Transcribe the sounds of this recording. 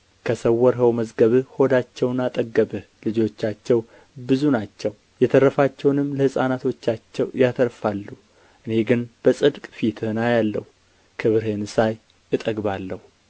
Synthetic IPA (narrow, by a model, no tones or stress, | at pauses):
kʰəsəwːɔɾɦəwməzɡəβɨho̞d̪at͡ʃːɛwnat̪ʼəɡːəβɨhlɨd͡ʒo̞t͡ʃːat͡ʃːɛw | bɨzunat͡ʃːɛw | jɛt̪ʰərːəfat͡ʃːɛwnɨmːləhɨsʼanat̪ʰo̞t͡ʃːat͡ʃːɛwjat̪ʰəɾfalːu | ʔɨne̞ɡɨnb̥əsʼɨd̪kʼfit̪ʰənajalːə̰h | kʰɨβɨɾɦenɨsaj | ɨt̪ʼəɡbalːəhu